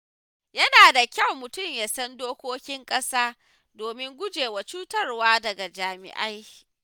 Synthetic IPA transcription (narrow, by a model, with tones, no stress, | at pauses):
jɐ˦naː˨da˨kʲɐ˦˨wmʊ˨tʊ˦˨mjaː˨sɐ˦ndoː˦kʷoː˦kʲɪ˦ŋkʼɐ˦saː˦ | doː˨mɪ˦ŋɡʷʊ˦d͡ʒeː˨wa˨t͡ʃuː˦tɐ˦rwaː˦dɐ˨ɡa˨d͡ʒaː˨mɪ̰˨ʔa˦j